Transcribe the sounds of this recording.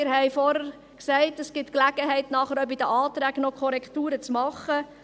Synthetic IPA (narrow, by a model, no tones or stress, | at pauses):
ɪɾɦɛjfɔɾəɾ | ksɛɪtəsɡ̥ɪtklæɡ̥əɦɛɪtnɑːχəɾœbid̪əʔɑːt̪ɾæːknɔkʰɔɾɛktuːɾət͡smɑχːə